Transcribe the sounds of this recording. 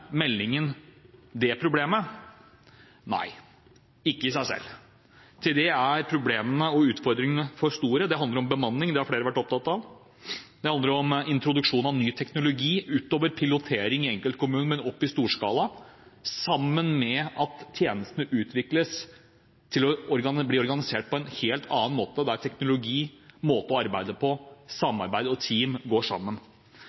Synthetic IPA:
mɛlːɪŋənd̪ɛpʰɾʊbleːmə | næ̰ɪ | ɪkːəɪsæɪsɛ̰lː | t̪ʰɪld̪ɛæɾpʰɾʊbleːmənəɔʉːt̪fɔɾd̪ɾɪŋənəfɔɾst̪uːɾəd̪ɛhɑnd̪əɾɔmbəmɑnːɪŋd̪ɛhɑɾfleːɾəʋæʈːɔp̚t̪ʰɑt̪ːɑʋ | d̪ɛhɑnd̪əɾɔmɪnt̪ɾʊd̪ʉkʂuːnɑʋnyːt̪ʰɛknʊlʊɡiːʔʉːt̪oːʋəɾpʰɪlʊt̪ʰeːɾɪŋɪɛŋkəlt̪̚kʰʊmʉːnəmɛnɔpːɪst̪uːʂkɑːlɑsɑmːənmɛɑt̪ʰːjeːnəst̪ənəʔʉːt̪ʰʋɪkləs | t̪ʰɪlɔɔɾɡɑbliːɔɾɡɑnɪseːʈ̚pʰɔɛnheːlt̪ʰɑːnmoːt̪əd̪æɾʈ̪ʰɛknʊlʊɡiːmoːt̪əɔɑɾbæɪd̪əpʰɔsɑmːɑɾbæɪd̪əɔt̪ʰiːmɡoːʂɑ̰mːən

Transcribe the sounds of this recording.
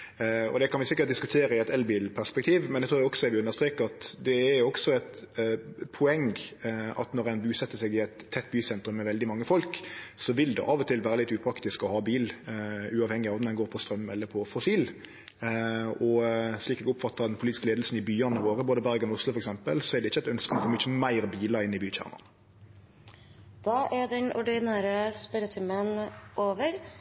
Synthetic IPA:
ɔ̰d̪ɛkʰɑnʋɪsɪkːət̪̚d̪ɪskʉt̪ʰeːɾəɪɛt̪ɛlbiːlpʰæɾspɛk̚t̪ʰiːʋmɛnd̪ɛt̪ʰɾuːʁjɔksɔɛɾʋɪʉnəʁʂst̪ɾeːkəɾɑt̪d̪ɛːɾjʊɔksɔɛt̪ | pʰʊɛŋ | ɑ̰t̪nɔɾɛnbʉːsɛt̪ːəsɛɡɪæɪt̪ʰːɛt̪ːbyːsɛnt̪ɾʉmːɛʋɛld̪ɪmɑŋːəfɔlksɔʋɪld̪ɛ̰ʔɑːʋɔt̪ʰɪlʋæːɾəlɪt̪ːʉːpʰɾɑkt̪ɪskɔhɑːbiːlʉːɑːʋhɛŋːɪɑːʋmnɛnɡoːɾpʰɔst̪ɾœmːɛlːəɾpʰɔfɔsiːl | ɔsliːkɛːɡʊpfɑt̪ːəɾd̪ɛnpʰʊliːɪskəleːd̪l̩sn̩ɪbyːɑnəʋoːʁəboːd̪əbæʁɡnɔʊslʊfɔɾɛksɛmpəlsɔɛʁɖ̪ɛɪçːəæɪt̪œnskənɔfoːmʏt͡ʃːəmæɪɾbiːləɾɪnːɪbyːc͡çæ̰ʁnə̰n | d̪̥ɑːʔæd̪ɛnɔɖɪnæːɾəspœɾət̪ʰɪmənʔoːʋəɾ

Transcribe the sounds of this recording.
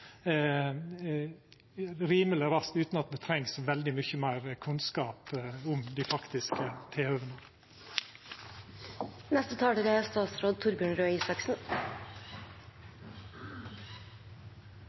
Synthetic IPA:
ɾiːmələɾɑst̪ʉːt̪nɑt̪d̪ɛt̪ʰɾɛŋsʋɛld̪ɪmʏçəmæɪɾkʰʉnskɑːpʊmd̪ɪfɑkt̪ɪskət̪ʰeːœːʋənə | nɛst̪ət̪ʰɑːɖəɾɛst̪ɑːt̪sɾoːd̪̚t̪ʰʊɾbʉːɳɾøːiːsɑksn̩

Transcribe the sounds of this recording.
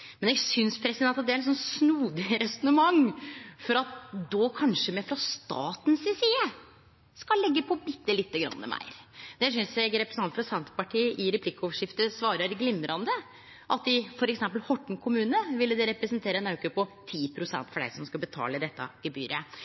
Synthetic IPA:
mɛnɛɡsʏnspʰɾɛsɪd̪ɛnɑt̪̚d̪ɛæɾɛnsɔnsnuːd̪ɪɾɛsɔnəmɑŋːfɔɾɑt̪d̪ɔkʰɑnʂəmɛfɾɑst̪ɑ̰ːt̪nsɪsiːə | skɑlːɛɡːəpʰɔbɪt̪ːəlɪt̪ːəɡɾɑ̰nːə̰mæ̰ɪɾd̪ɛs̬ʏnsjɛɡɾɛpɾəsn̩ɑnfɾɑsɛnt̪pɑʈʰiːʔɪɾɛpʰlɪkːəɔʋəʂɪft̪əsʋɑːɾəɾɡlɪmːɾɑnd̪ə | ʔɑt̪̚d̪ɪfɔɾɛksɛmpəlhɔʈːɳ̩kʰʊmʉːnəʋɪlːəd̪ɛɾɛpɾɛsnt̪ʰeːɾəɛnɑʉkəpɔt̪ʰiːpʰɾʊsɛ̰nt̪fɔɖæ̰ɪsɔmskɑbət̪ʰɑ̰ːləd̪ɛt̪ːɑ̰ɡ̥əby̰ːɾə

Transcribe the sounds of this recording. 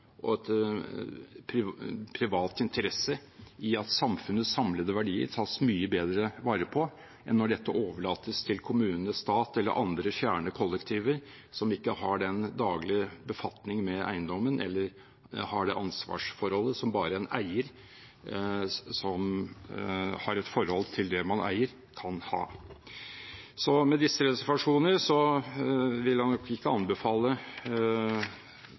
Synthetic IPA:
ʔɔ̰ɛt̪ | pʰɾɪpʰɾɪʋɑːt̪ɪnt̪ʰəɾɛsːəɪɑt̪sɑmfʉnəsɑmləd̪əʋæɖiːə̰ɾt̪ʰɑsmyːəbeːd̪ɾəʋɑːɾəpʰɔ | ʔɛnːɔɖɛt̪ːəʔoːʋəɭɑːt̪əst̪ʰɪlkʰʊmʉːnənəst̪ɑːt̪ɛlːə̰ɾʔɑnd̪ɾəfjæːɳəkʰɔlːɛkt̪ʰiːʋəɾ | sɔmɪkːəhɑɖɛnd̪ɑːɡlɪəbəfɑt̪nɪŋmɛʔæ̰ɪnd̪ɔmːənʔɛ̰lːəɾ | hɑɖɛ̰ʔɑnsʋɑ̰ːʂfɔɾhɔlːəsɔmbɑːɾəɛnæɪəɾ | sɔm | hɑɾɛt̪fɔɾhɔlt̪ʰɪld̪ɛmɑnʔæ̰ɪəɾ | kʰɑnhɑ̰ː | sɔmɛd̪ɪsːəɾɛsɛɾʋɑʂuːnəɾʂɔ | ʋɪlhɑnɔkɪkːəɑnbəfɑːlːə

